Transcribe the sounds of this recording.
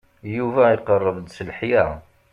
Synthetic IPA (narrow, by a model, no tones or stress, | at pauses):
juvæiqərˤːəvd̪səlħjæ